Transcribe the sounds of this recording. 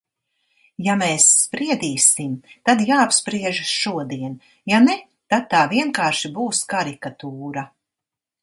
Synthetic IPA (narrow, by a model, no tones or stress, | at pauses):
jameːsːpɾiɛd̪iːsimt̪ad̪jaːapspɾiɛʒʃuɔd̪iɛn | janɛ | t̪ad̪̚t̪aːviɛŋkaːɾʃibuːskaɾikat̪uːɾa